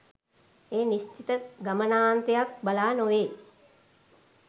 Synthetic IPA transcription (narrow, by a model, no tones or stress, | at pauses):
eːnist͡ʃit̪əɡamənaːnt̪ejak̚balaːnoʋeː